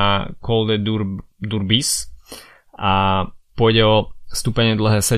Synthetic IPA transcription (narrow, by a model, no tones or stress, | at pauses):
akɔld̪ɛud̪uɾbis | apʊɔjɟɛɔst̪uːpɛɲɪɛd̪l̩ɦɛːsɛ